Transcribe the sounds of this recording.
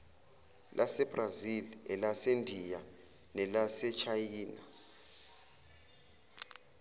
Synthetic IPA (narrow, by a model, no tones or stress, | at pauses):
lʔasɛb̥razilɛlasendʱija | nɛlasɛt͡ʃʰajiːna